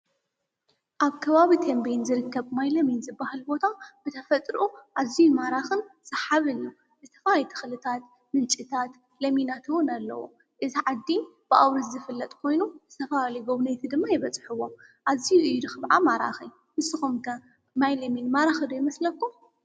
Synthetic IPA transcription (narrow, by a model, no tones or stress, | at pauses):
ʔaβkʰɐβaβit̪ʰembejnzɨɾɨkʰːɐβmajlɐminzɨbahɨlbo̞t̪ʰab̥ɨt̪ʰɐfɐt̪ʼɾɨʔuʔazijumaɾaxɨnsɐħaβɨnju | zɨt̪ʰɐ̥falit̪ʰɨ̥xlɨt̪ʰat̪ | mɨnt͡ʃʼɨt̪ʰat̪ | lɐminat̪ʰɨwʊnalːɐ̰wo̰ | ʔɨziʕad̪ːib̥ɨʔawɾɐszɨfɨlːɐt̪ʼkʰo̞jnuzɨt̪ʰɐflalijɡoβnɐjt̪ʰid̪ɨmːajɪβɐt͡sʼħɨwːo̞m | ʔazijuʔɨjud̪ɨxɨβʕamaɾa̰xi | mɨsɨxumkʰɐ | majlɐminmaɾaxɐd̪ojɪmɐslɐkːu